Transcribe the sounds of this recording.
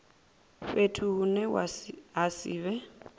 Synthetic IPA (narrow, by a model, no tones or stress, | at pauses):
ɸetʰuːnɛɦasiːβɛ